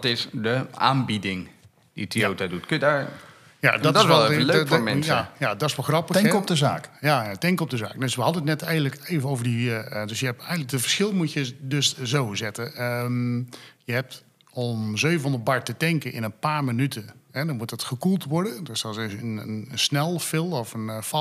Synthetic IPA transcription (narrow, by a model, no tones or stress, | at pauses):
tɪsdəʔa̰ːnbidɪŋ | d̥itʰiowtadutkønjədaːɹ | ja̰dɔtdsʋɛlˠlømɛjajadɔtɪsʋɛlˠxrɑpəkɔdəzaːkjajatɛŋkəɔp̚dəza̰ːk̚døsʋəhɑdənətnɛtɛjɣən̩ləkevəowvəɹdidøsjəɛp̚ɛjɣənlək̚dəfəɹsχɪlˠmutjədøszowzɪtəə | jəɦɛp̚t | ɔmzøːvən̩ɔ̃ndət̚baɹtətɛŋkənʔɪ̰nənpaːɹmənytʰənhɛdɔnmutətxəkulˠtʋɔɹdədøsɔsənənəsnɛlˠfɪlˠɔfənfɔ